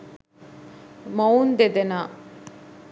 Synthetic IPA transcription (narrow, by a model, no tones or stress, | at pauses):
mound̪ed̪enaː